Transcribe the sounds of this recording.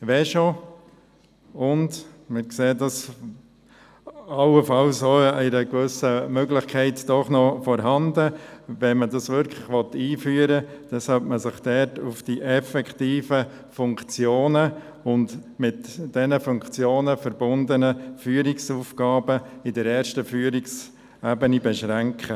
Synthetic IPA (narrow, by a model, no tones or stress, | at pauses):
ʋɛʃo | ʊndmɪkseːdɑs | ɑʊəfɑlsoːɛɪɾəkʋʏsəmøɡlɪχkʰɛɪtd̥ɔχnɔfɔɾɦɑndəʋɛnmədɑsʋʏɾkʰləχʋɔt̪ːiːfyːəɾəd̥ɛshɑlp̚məsɪχd̥ɛtufd̥iʔɛfɛkχtiːfə | fʊŋkt͡sjoːnə | ʊndmɪtd̥ɛnəfʊŋkt͡sjoːnəfəɾbʊndənəfyːəɾɪksuːfɡ̥ɑːbəɪdəɾɛːɾʃtəfyːəɾɪks | æbənibɛʃɾæŋkχə